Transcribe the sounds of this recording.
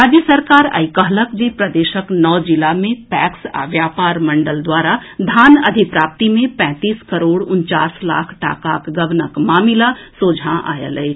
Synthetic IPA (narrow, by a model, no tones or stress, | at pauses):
ɾaːd͡ʒjəsəɾkaːɾə̰jkəɦləkd͡ʒipɾɐd̪eːʃəknɔːd͡ʒɪlamẽpɛːksa̰ʋjaːpaːɾmɐ̃ɳɖəld̪waːɾad̪ʱaːnɐd̪ʱɪkpɾaːp̚t̪imẽpɛ̃ːt̪iːskɐɾoːɽʊnt͡ʃaːsla̰ːkʰʈa̰ːkaːkɡɐʋnəkmaːmɪlasoːd͡ʒʱãʔa̰ːjə̰ləe